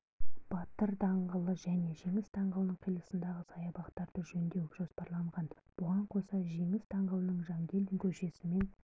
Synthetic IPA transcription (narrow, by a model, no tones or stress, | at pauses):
b̥ɑt̪əɾd̪ɑɴʁəlˠəʒæne̞ʒe̞ŋɪst̪ʰɑɴʁɑwnəɴqʰijlˠəsənd̪ɑʁəsɑjɑbɑqt̪ɑɾd̪əʒɵnd̪ewʒ̥o̞spɑɾlˠɑɴʁɑn | b̥ʊʁɑɴqʰo̞sɑʒe̞ŋɪst̪ʰɑɴʁɑwnəɴʒɑŋɡʲe̞ld̪ɪŋkʲʰɵʃe̞sɪme̞n